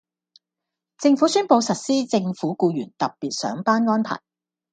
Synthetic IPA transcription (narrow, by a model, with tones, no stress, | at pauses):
t͡sɪ˧ŋfuː˨˥syː˥npo˧wsɐ˨t̚siː˥t͡sɪ˧ŋfuː˨˥kuː˧jyː˨˩nt̪ɐ˨p̚piː˨t̚sœ̰ː˨˥ŋpaː˥nŋɔː˥npʰa̰ː˨˩j